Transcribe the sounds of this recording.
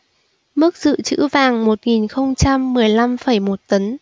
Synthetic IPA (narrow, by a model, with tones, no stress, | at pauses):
mɨ˦˥k̚z̥ɨ̰˧˨t͡ɕɨ̰˧˥vaː˨˩ŋmo˨˩t̚ŋi˨˩nxə˧wŋ͡mt͡ɕa˧mːɨ˨˩əjla˧mfə˧˩jmo˨˩t̚t̪ə˨˦n